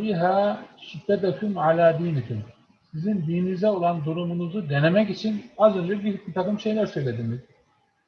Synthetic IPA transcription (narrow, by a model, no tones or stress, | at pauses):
iɦaːʃid̪̥ːɛd̪akʰymʕalʲaːd̪iːnit̪ʰym | sizinb̪iːinizd̪ɛo̞lˠand̪uɾumunuzud̪e̞ne̞mɛcit͡ʃʰinazø̞nd͡ʒɛbihyc̚ʲmit̪ʰakɯmʃe̞jlʲæɾsø̞jlʲe̞d̪imiz̥